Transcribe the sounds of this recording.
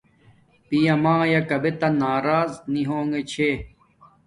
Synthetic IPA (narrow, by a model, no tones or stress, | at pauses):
pijɐmãːjɐkɐbet̪ɐnaːɾaːzniɦoːŋet͡ɕʰe